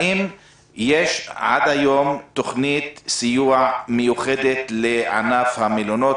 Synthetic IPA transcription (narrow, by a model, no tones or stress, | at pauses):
ʔim | jeʃʕa̰d̪hajo̞mt̪ːoχnit̪sijuaʕmejuχed̪et̪leʕa̰nafhamilono